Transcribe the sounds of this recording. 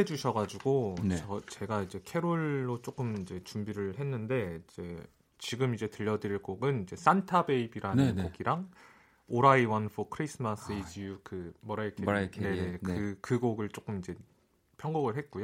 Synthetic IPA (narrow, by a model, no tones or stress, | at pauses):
ed͡ʑuɕʰʌɡad͡ʑuɡoʌt͡ɕe̞ɡaid͡ʑe̞kʰe̞ɾoɭːot͡ɕ͈ok͈ɯmid͡ʑe̞t͡ɕumbiɾɯɭhe̞nːɯnde̞id͡ʑe̞ | t͡ɕiɡɯmid͡ʑe̞tɯʎːʌdɯɾiɭk͈oɡɯnid͡ʑe̞s͈antʰabe̞ibiɾanɯnkoɡiɾaŋ | oɾaiwʌnfʰokʰɯɾisʰɯmas͈ɯid͡ʑijukɯmʌɾak͈ʰeaneneɯkɯɡoɡɯɭt͡ɕ͈ok͈ɯmid͡ʑe̞ | pʰjʌŋɡoɡɯɭɦet̚k͈ujo